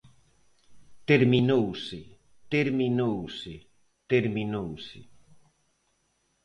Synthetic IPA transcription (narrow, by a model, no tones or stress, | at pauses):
t̪eɾminowsɪ | t̪eɾminowsɪ | t̪eɾmĩnowsɪ